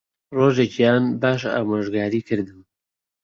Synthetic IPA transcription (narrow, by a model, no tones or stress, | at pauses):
roːʒeːcjaːnbaːʃ̬a̰ːmaːʒɡaːɾiːkʰɨɾd̪ɨm